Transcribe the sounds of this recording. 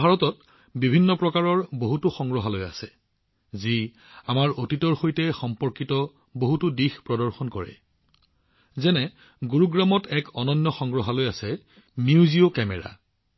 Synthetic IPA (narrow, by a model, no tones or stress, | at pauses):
bʱaɹɔtɔt̚ | bibʱinːɔpɹɔkaɹɔɹboɦutʊxɔŋɡɹɔɦaloja̰sɛ | zi | amaɹotitɔɹxojtɛxɔmpɔɹkitɔ | boɦutudixpɹɔdɔɹxɔnkɔɹɛ̰ | zɛnɛ | ɡuɹuɡɹamɔtɛkɔnɔnːɔxɔŋɡɹɔɦalojasɛ | miuziokɛmɛɹa̰